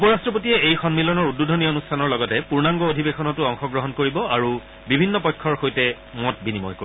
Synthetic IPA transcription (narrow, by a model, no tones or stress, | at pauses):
upɔɹastɹɔp̬otijɛejxɔnmilɔnɔɹududʱɔnionustʰanɔɹlɔɡɔtɛpuɹnaŋɡɔodʱibexɔnɔtuɔŋxɔɡɹɔɦɔnkoɹibɔaɹu | bibʱinːɔpɔjkʰːɔɹxojtɛ | mɔt̚binimɔ̰jko